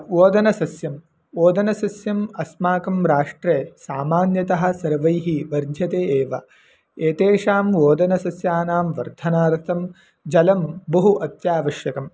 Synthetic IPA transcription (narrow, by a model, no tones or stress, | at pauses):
ʋoːd̪ɐnɐsɐsjɐm | ʋoːd̪ɐnɐsɐsjɐmɐsmaːkɐmɾaːʂʈɾeːsaːmaːnjɐt̪ɐɦɐ̆sɐɾʋɐjɦiʋɐɾd̪ʱjɐt̪eːeːʋɐ | eːt̪eːʂaːmʋoːd̪ɐnɐsɐsjaːnaːmʋɐɾd̪ʱɐnaːɾt̪ʰɐm | d͡ʒɐlɐmbɐɦuʔɐt̪jaːʋɐʃjɐkɐm